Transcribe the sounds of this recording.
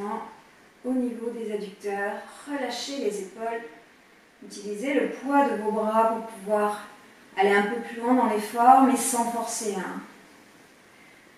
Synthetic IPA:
ɑ̃ | onivod̪ezad̪yk̚t̪œʁːəlaʃelezepɔl | yt̪ilizeləpwad̪əvobʁapuʁpuvwaʁ | aleɛ̃pøplylwɛ̃d̪ɑ̃lefɔʁmesɑ̃fɔʁseɛ̃

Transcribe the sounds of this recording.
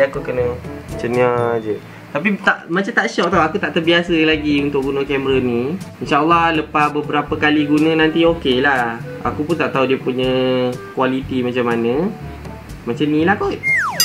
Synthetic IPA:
akukənə̃t͡ʃənĩad͡ʒə | t̪ap̬it̪aʔmat͡ʃamt̪aʔʃɔʔ̚t̪aɦuakut̪aʔt̪ərbiasəlaɡiunt̪ʊʔ̚ɡunə̃kɛmɾənĩinʃaʔəlːɑləpasbəbəɾapəkaliɡunə̃nãnt̪iokelah | a̰kupʊnt̪aʔt̪aɦudiəpuɲə̃kwalit̪imat͡ʃamːanə̃ | mat͡ʃanĩlakɔʔ

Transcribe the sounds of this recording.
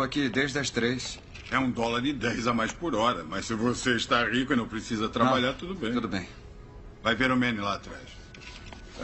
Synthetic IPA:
ɐkid̪eʒd̪ɐʃt̪ɾeʃ | ɛũd̪ɔlˠɐɾɪd̪ɛjzamajʃpɔɾɔɾɐmɐʃsɨvoseʃt̪aʁikʊinɐ̃w̃pɾɪsizɐt̪ɾabaʎaɾt̪ud̪ʊbẽj̪̃ud̪ʊbẽj̃ | vajveɾumɛnilaːt̪ɾa̰ʃ

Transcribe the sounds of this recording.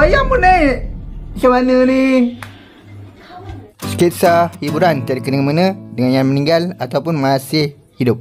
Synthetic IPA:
ajapunaj | t͡ʃawanəni | sə̥kit̪sahibuɾant̪iadikənəŋəmanə̃dəŋanjaŋmənĩŋɡalat̪awpʊnmasɪh | hidʊp̚

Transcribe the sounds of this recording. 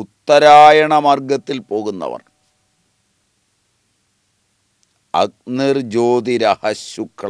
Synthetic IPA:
ut̪ːɐɾaːjɐɳɐmɐrɡɐt̪ːilpo̞ːɣunːɐ̰ʋɐ̰r | ɐ̰k̚nird͡ʑoːd̪iɾɐhɐɕukʰːɐ

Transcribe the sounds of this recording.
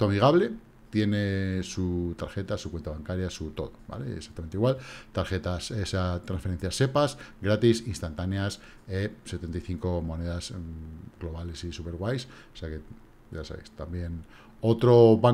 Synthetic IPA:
t̪oamiɣ̞aβle̞ | t̪je̞nesut̪aɾxe̞t̪asukwe̞nt̪aβaŋkaɾjasut̪o̞̰ðoba̰le̞̰sak̚t̪ameniɣwalt̪aɾxe̞t̪asesat̪ɾansfee̞n̟θjase̞pasɡɾat̪isinst̪ant̪aneas | ese̞t̪e̞nt̪ajθiŋko̞mo̞ne̞ðazɡlo̞βale̞sisupe̞ɾɣwajs | oseake̞ | ɟ͡ʝasaβḛjst̪ambje̞n | o̞t̪ɾo̞βa

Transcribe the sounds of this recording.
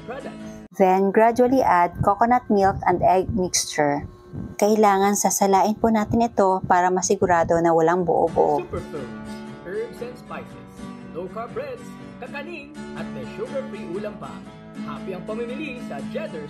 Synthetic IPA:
pɹad̪ɐkðɛnɡɹad͡ʒʊɐliʔad̪̚kokonɐt̪̚milkɐnd̪ɛɡ̚mikst͡ʃɛɹ | kɐʔɪlaːŋɐnsɐsɐlaːʔɪnpʊnaːt̪ɪnɪt̪o̞paːɾɐmɐsɪɡʊɾaːd̪o̞nɐwɐlaŋbʊ̰ʔo̰bʊ̰ʔoupɛɹfɛɹmsʔɛɹbsɛnspajt̪ɛsnowkaɹbɹɛd̪s | kɐkɐliŋʔɐt̪̚mɛjʃuɡɐɹfɾiʔuːlɐŋpɐ̰ | ʔa̰ːbiɐŋpɐmimɪlisɐd͡ʒɛd̪ɛɹ

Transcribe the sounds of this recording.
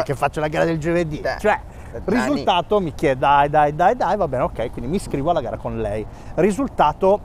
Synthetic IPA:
kefːat͡ʃːolaɡaːɾad̪eld͡ʒoved̪it͡ʃoɛ | rizulaːt̪omik̟jɛːd̪d̪ajd̪ajd̪ajd̪ajvabɛːneokːɛjkwind̪imiskɾiːvoalːaɡaːɾakonlɛj | rizult̪aːt̪o

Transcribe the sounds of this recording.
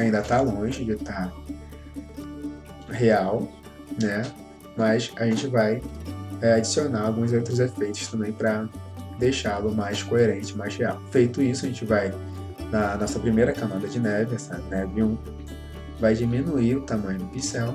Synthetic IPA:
aĩnd̪ɐt̪alõʒɪd͡ʒɪt̪a | heaw | nɛ | mɐsaʒẽnt͡ʃɪvajɛad͡ʒisionaɾawɡũzowt̪ɾʊzefejt̪ʊ̥ʃt̪ɐ̃bẽj̃pɾɐd̪ejʃalʊmajskoeɾẽnt͡ʃɪmajz̥heawfejt̪ʊisʊɐʒẽnt͡ʃɪvaj | nɐnɔsɐpɾimejɾɐkɐ̃mɐ̃d̪ɐd͡ʒɪnɛvɪɛsɐnɛviũ | vajd͡ʒimĩnuiɾʊt̪amɐ̃ɲʊd̪ʊpisɛw

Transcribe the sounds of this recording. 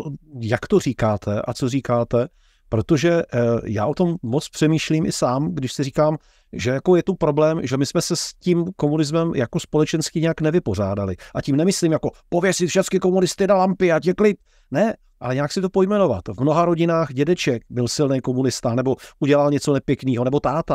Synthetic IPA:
jakt̪or̝iːkaːt̪ʰɛʔa̰t͡soriːkaːt̪ɛ | pɾo̞t̪o̞ʒɛja̰ːʔo̞t̪o̞mːot͡spr̥ɛmiːʃliːmʔɪsaːmɡdɪʃsɪriːkaːm | ʒɛjako̞jɛt̪upɾo̞blɛːmʒɛmɪsmɛsɛsciːmkomunɪzmɛmjakospo̞lɛt͡ʃɛnskɪɲɛjaknɛvɪpo̞r̝aːdalɪʔacimnɛmɪsliːmjako̞povjɛsɪt̪fʃɛt͡skɪko̞munɪst̪ɪnalampɪacɛklɪp̚ | nɛ | ʔalɛɲɛjaksɪt̪o̞po̞jmɛnova̰t̪vmnoɦaɾo̞ɟɪnaːxɟɛdɛt͡ʃɛk̚bɪlsɪlnɛjko̞munɪst̪anɛbo̞ʔuɟɛlalɲɛt͡so̞nɛpjɛkniːɦonɛbo̞t̪aːt̪a

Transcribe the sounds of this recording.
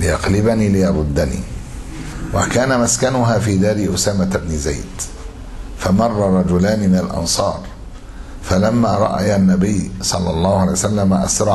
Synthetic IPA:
lɪjɑqlɪbaniːlɪjɑɾˤʊd̪ːanḭː | wakaːnamaskanʊɦaːfiːd̪aːliʔʊsaːmat̪bnɪza̰jd̪ | famɑrˤːɑɾˤɑd͡ʒʊlaːnɪmɪnalʔɑ̰nsˤɑːɾˤ | falamːaːɾˤɑ̰ʔa̰janːæbɪjːsˤɑlːɑlˤːɑːhʊʔʕlajsalːamaʔɑsɾˤɑ

